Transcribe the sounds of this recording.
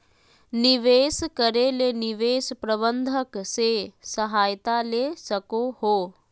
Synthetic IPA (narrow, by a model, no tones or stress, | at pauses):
nɪʋeːskəɾelenɪʋeːspɾəbənd̪ʱəksesɐɦaːjt̪alesɐkohoː